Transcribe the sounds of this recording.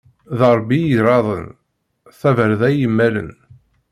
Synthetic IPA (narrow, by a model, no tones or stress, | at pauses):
ðɑɾˤbːijiɾˤɑðˤə̰n | θævəɾðæjəmːælə̰n